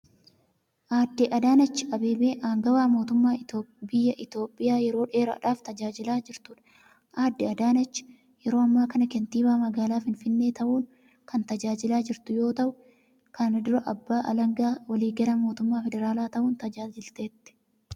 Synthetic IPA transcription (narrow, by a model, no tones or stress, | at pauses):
ʔaːd̪ːɪʔɐd̪aːnɐt͡ʃːɪɐbeːbeːʔaːŋɡɐwaːmo̞ːt̪ʊmːaːobɪjːɐʔɪt̪o̞ːpʼːɪjaːjɛɾo̞ːᶑe̞ːɾɐ̰ᶑaːft̪ɐd͡ʒaːd͡ʒɪlaːd͡ʒɪɾt̪uːᶑɐ̥ | ʔaːd̪ːɪɐd̪aːnɐt͡ʃːɪ̥ | jɛɾo̞ːɐmːaːkɐnɐkɛnt̪iːbaːmɐɡaːlaːfɪnfɪnːeːt̪ɐʔuːn | kɐnt̪ɐd͡ʒaːd͡ʒɪlaːd͡ʒɪɾt̪ʊjo̞ːt̪ɐʔʊ | kɐnɪd̪ʊɾɐʔɐbːaːʔɐlɐŋɡaːwɐliːɡɐlɐmo̞ːt̪ʊmːaːfɛd̪ɛɾaːlaːt̪ɐʔuːnt̪ɐd͡ʒaːd͡ʒɪlt̪eːt̪ːɪ̥